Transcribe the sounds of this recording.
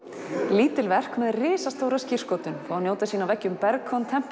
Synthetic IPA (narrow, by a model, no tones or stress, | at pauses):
liːt̪ɪlvɛr̥kmɛðrɪːsast̪owɾascir̥skoːwt̪ʏnfaːwnjoːwt̪asiːnavɛcːʏmpɛɾkʰɔnt̪ʰɛm̥p